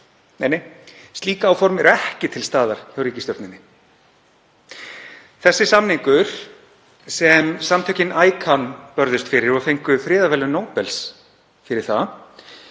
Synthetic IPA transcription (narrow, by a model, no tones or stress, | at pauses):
nejnejst̪liːkaːwfɔɾmɛɾɛhcɪt̪ʰɪlst̪aːðaɾ̥çawɾiːcɪst̪ɔɾt̪nɪnːɪ | θɛsːɪsamniŋkʏɾ̥ | sɛmsamt̪ʰœhcɪnaːjkʰanpœɾðʏst̪fɪɾɪɾɔɣfejŋkʏfɾɪːðavɛːlʏnoːwpɛls | fɪɾɪɾ̥θa